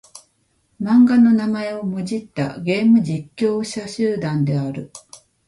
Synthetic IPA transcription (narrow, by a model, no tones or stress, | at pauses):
mãŋɡano̞namae̞o̞mɯ̟ʑit̪ːa̰ɡe̞ːmɯ̟d͡ʑikʲːo̞ːɕaɕɨːd̪ãnd̪e̞aɾɯ̟